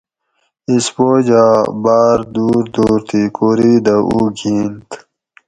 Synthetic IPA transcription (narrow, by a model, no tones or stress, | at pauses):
ispoːd͡ʑabaːɾd̪uːɾd̪uːɾt̪ʰikoːɾid̪aʔuɡʱiːnt̪